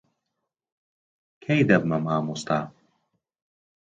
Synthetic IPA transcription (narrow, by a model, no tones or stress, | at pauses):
kʰejd̪ɐb̚mɐmaːmust̪aː